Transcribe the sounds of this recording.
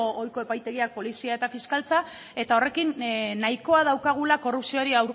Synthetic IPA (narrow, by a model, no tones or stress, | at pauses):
ojko̞e̞pajt̪e̞ɣiak̚po̞lisiae̞t̪afiskalt͡sa | e̞t̪ao̞re̞kinːajko̞að̞awkaɣ̞ulako̞rupsio̞ɾiawɾ